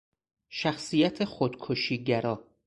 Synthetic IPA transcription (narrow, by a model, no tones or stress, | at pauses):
ʃæxsijæt̪ʰe̞xod̪̥kʰoʃiːɟæɾɒː